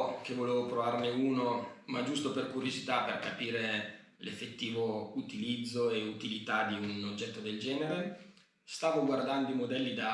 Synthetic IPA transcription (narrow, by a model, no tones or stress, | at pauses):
k̟evːoleːvopɾovarneuːnomad͡ʒust̪operkuɾjozit̪aperkapiːɾe | lefːet̪ːiːvout̪ilid̪zːoeut̪ilit̪ad̪iunod͡ʒːɛt̪ːod̪eld͡ʒɛːneɾe | st̪aːvoɡward̪and̪oimod̪ɛlːid̪a